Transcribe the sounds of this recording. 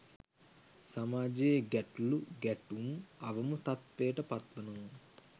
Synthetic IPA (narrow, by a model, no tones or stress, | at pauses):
samaːd͡ʒeɡɛʈuluɡɛʈumɐʋɐmut̪at̪ʋejːʈəpat̪ʋɐnuʋɐn